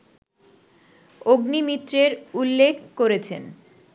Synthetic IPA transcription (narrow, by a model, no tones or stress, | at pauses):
oɡnimit̪ːɾeɾulːekʰkoɾet͡ɕʰḛn